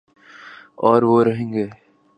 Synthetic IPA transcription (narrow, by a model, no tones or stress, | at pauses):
ɔːɾʋoːɾɐɦẽːŋɡeː